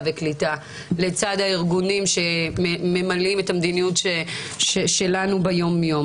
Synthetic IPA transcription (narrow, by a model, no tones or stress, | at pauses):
veklita | le̞t͡sadhaiʁɡunimʃe̞mme̞malimetamd̪inijutʃe | ʃeʃe̞lanubejo̞mjo̞m